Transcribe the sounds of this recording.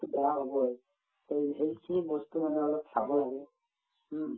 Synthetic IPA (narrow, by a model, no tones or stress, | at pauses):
bɛɹaɦobɔj | teɦejkʰinibɔstumanɛɔlɔpsa̰bɔlaɡɛ